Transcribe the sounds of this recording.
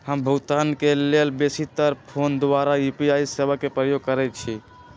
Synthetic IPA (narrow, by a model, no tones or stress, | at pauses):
həmbʱəɡt̪ankelelbesit̪əɾpʰond̪ʋaɾajupiajsebakepɾəjoɡ̚kəɾɛt̪̚t͡ʃʰi